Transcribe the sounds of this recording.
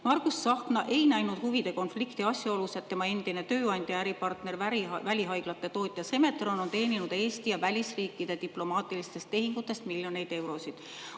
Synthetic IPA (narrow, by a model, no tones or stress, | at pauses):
mɑrkusːɑhknɑʔe̞jnæjnud̪̥huvid̪̥e̞ko̞nflikt̪iɑsʲjɑo̞luse̞d̪̚t̪ːe̞mɑe̞nd̪̥ine̞t̪ø̞ːɑnʲd̪̥ʲjɑæɾipɑrt̪ne̞rvvælʲiɦɑjɡ̥lɑt̪ːˑe̞t̪o̞ːt̪ʲˑjɑse̞me̞t̪ro̞no̞nt̪e̞ːninud̪̥e̞ːst̪ijɑvælʲisriːkːˑid̪̥e̞t̪iplo̞mɑːt̪ːˑilist̪e̞st̪ːe̞ɦiŋɡ̥ut̪ːˑe̞st̪milʲjo̞nejd̪̥e̞wɾo̞sid̪̥